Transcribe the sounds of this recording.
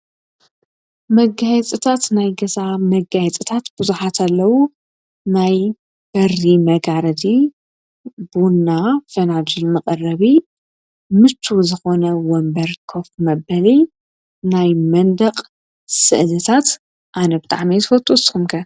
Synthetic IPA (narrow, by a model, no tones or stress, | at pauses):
mɐɡajɛt͡sʼɨt̪ʰat̪najɡɐzamɐɡajɛt͡sʼɨt̪ʰat̪b̥ɨzuħat̪ʰalːɐwu | naj | b̥ɐrimɐɡaɾɐd̪i | bunːafɐnad͡ʒɨlmɐkʼɐrɐβi | mɨt͡ʃʰːuzɨxonɐwɔmbɐɾkʰo̞fmɐbɐli | najmɐnd̪ɐqʼ | sɨ̰ʔlɨt̪ʰat̪ | ʔanɐbɨt̪ʼa̰ʕmit̪ɨfot̪ʼːosxumkʰɐ